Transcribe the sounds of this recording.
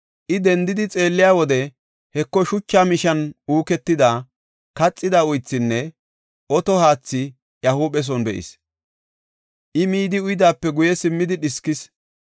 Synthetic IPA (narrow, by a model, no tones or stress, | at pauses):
ʔɪd̪ɛnd̪ɪd̪ɪt͡sʼe̞ːlːɪjaːwɔd̪ɛ | hɛkːɔʃʊt͡ʃːaːmɪʃɐnuːkɛt̪ːɪd̪a | kɐt͡sʼːɪd̪aʊjt͡sːɪnːɛ | ʔɔt̪ɔhaːt͡sːɪ | jɐhuːɓɛs̬ɔnbɛʔɪ̰s | ʔɪmiːd̪ɪʊjɪd̪aːpːɛɡʊjɛsɪmːɪd̪ɪɗɪskɪs